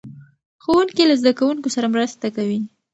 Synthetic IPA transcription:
xowuŋkilazd̪akawuŋkosaɾamɾast̪akawi

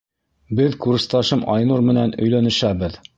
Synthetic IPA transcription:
bɘðkurst̪ɑʃɤmʔɑjnuɾmɘ̆nænɵ̆jlænɘ̆ʃæbɘð

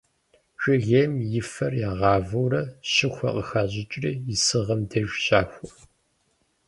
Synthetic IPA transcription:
ɕʷɪʁeːmjɪfɐrjaːʁɑːvɐwrɐɕɪxʷɐ̰qəxaːʑɪt͡ʃʼriːjɪsɨʁɐmdɐʒʷɕaːxʷɔ

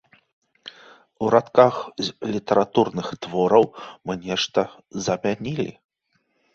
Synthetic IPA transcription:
uɾat̪kaxlʲit̪ɐɾat̪urnɨxt̪vɔɾɐwmɨnʲɛʂt̪ɐ | zɐmʲanʲilʲḭ

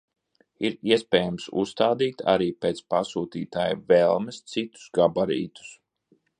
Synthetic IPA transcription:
iɾiɛspɛːjamsṵsːt̪aːd̪iːt̪ʰa̰ɾiːpeːt̪spasuːt̪iːt̪aːjvɛlˠmɛst̪sit̪u̥sɡabaɾḭːt̪u̥s

